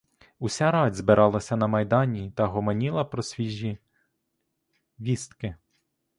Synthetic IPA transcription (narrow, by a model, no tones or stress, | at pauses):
usʲaɾɑdʲzbɪɾʔɑlˠɐsʲɐnɐmɐjd̪ɑnʲit̪ɐɦɔmɐnʲilˠɐpɾɔsʲʋʲiʒʲːi | ʋʲist̪kɪ